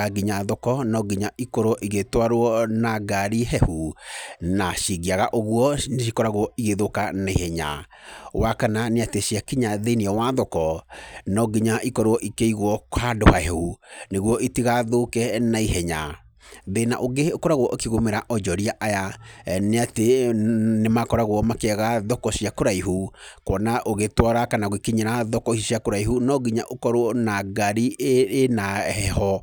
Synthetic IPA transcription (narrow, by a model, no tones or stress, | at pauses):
aɡiɲaðɔkɔnɔɡiɲaʔikɔɾoɔʔiɣetwaɾwɔnaɡaɾiɦɛhu | naʃiɣiaɣaʔoɣwɔneʃ̬ikɔɾaɣoɔiɣeðokanaihɛɲa̰ | wakananeateʃiakiɲaðeneɔwaðɔkɔnɔɡiɲaʔikɔɾoɔʔikeiɣwɔkhadohahɛhuneɣwɔʔitiɣaðokɛnaiɦɛɲa̰ | ðena̰ʔoɡekɔɾaɣwɔʔokiɣomeɾaʔɔd͡ʒɔɾiaʔajaneate | nemakɔɾaɣwɔmakeaɣaðɔkɔsjakoɾaiɦukwɔnaʔoɣetwɔɾakanaɣikiɲeɾaðɔkɔhisiakoɾaiɦunɔɡiɲaʔokɔɾwɔnaɡaɾinahɛhɔ